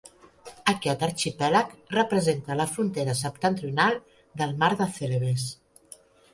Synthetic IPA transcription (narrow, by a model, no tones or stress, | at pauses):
əkɛt̪əɾt͡ʃipɛləkrəpɾəzent̪ələfɾunt̪eɾəsəp̚t̪ənt̪ɾiunalˠ | d̪əlˠmaɾðəθeleβes